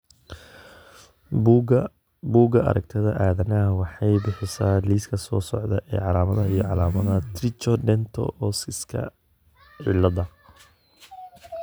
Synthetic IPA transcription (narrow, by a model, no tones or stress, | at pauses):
buːɡɐɐ̰ɾɐɡ̚t̪ʰɐðɐʔaːðɐnɐwɑħɑjbɪħɪsaːliːskʰɐsɔːsɔʕd̪ɐʔɛ̰ːʕɑlaːmɐðɐɦɐijɔʕɑlaːmɐðɐt̪rɪt͡ʃɔɖɛnt̪ʰɔ̰ʔɔːsɪskʰɐ̰ | ʕɪ̰lɐðɐ